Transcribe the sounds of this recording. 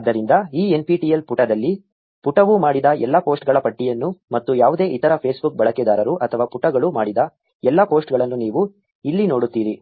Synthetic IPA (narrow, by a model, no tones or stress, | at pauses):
d̪ːɐɾind̪ɐiːenpiʈijelpuʈɐd̪ɐlːi | puʈɐʋumaːɽid̪ɐʔɛlːɐpo̞ːsʈɡɐɭɐpɐʈːijɐnːumɐt̪ːujaːʋud̪e̞ːʔit̪ɐɾɐpʰeːsbuk̚bɐɭɐkɛd̪aːɾɐɾuʔɐt̪ʰɐʋaːpuʈːɐɡɐɭumaːɽid̪ɐ | ɛlːɐpoːsʈɡɐɭɐnːuniːʋu | ilːino̞ːɽut̪ːiːɾi